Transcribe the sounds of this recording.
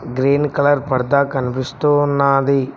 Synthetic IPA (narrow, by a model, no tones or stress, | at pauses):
ɡɾeːnkɐlɐɾpɐɽd̪aːkɐnipist̪oːnːaːd̪i